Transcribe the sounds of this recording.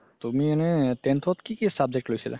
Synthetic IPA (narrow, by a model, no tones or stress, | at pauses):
t̪umianɛt̪ent̪ʰɔt̪kikisab̚d͡ʒek̚ʈlojsḭla̰